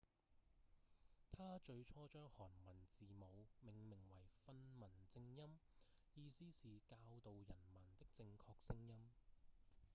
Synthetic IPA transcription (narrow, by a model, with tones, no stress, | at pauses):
t̪ʰaː˥t͡ʃɵ˧ɥt͡ʃʰɔː˥t͡ʃœː˥ŋhɔː˨˩nmɐ˨˩nt͡siː˨mo˨˧wmɪ˨˩ŋmɪ˨˩ŋwɐ˨˩jfɐ˧nmɐ˨˩nt͡sɪ˧ŋjɐ˥mjiː˧siː˥siː˨kaː˧wt̪o˨wjɐ˨˩nmɐ˨˩nt̪ɪ˥k̚t͡sɪ˧ŋkʰɔː˧k̚sɪ˥ŋjɐ˥m